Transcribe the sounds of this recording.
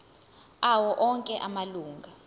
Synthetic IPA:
awɔʔɔŋkʼɛʔamaluːŋɡʱa

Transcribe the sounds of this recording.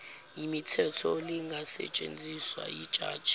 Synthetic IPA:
jimitʰɛtʰɔliŋɡʱasɛ̰t͡ʃʼend͡zʱiswa̰jid̥ʒ̥ʱʼa̰̥ːʒ̥ʱʼi̥

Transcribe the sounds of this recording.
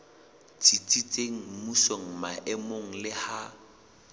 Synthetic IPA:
t͡sʼit͡sʼit͡sʼeŋ̩musoŋ̩maʔɪmoŋ̩lɪha

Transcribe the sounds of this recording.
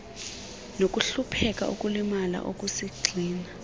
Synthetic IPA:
nokʼuɬupʰɛkʼa̰ʔṵkʼulimala̰ʔokʼusiɡ͡ǀʱiːna

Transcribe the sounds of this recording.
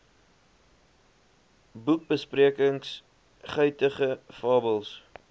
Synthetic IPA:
buk̚bəspriəkəŋs | χœɥtəχəfɑːbəlˠs

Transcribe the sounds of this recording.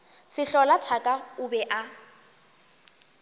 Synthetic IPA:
sɪɬɔlatʰakʼaʊbɛʔa

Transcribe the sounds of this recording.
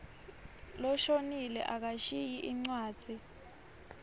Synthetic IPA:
lɔʃonilɛ̰ʔak̬aʃijiʔiŋ͡ǀwḁːd͡z̥ʱi

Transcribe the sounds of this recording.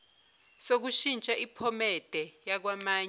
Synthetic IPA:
sok̬uʃint͡ʃʼaʔipʰɔmɛd̥ʱɛjak̬wamaːɲ

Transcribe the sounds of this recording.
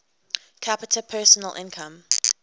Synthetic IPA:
kʰapɪtʰəpʰɜːˑsənəlʔɪ̰̃nkʰə̃m

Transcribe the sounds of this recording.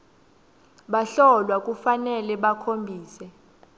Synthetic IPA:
ɓaɬɔlwak̬ʼufanɛlɛɓakʰombʱiːsɛ

